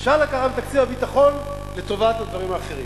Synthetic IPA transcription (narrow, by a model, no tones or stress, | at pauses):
ʃalakaʁabet̪akt͡sivabit̪aχo̞n | le̞t̪o̞vat̪ad̪vaʁimaːχe̞ʁim